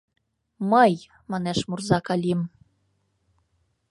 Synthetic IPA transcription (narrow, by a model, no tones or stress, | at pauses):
mɤj | mɑnæʃmurzɑkɑlʲim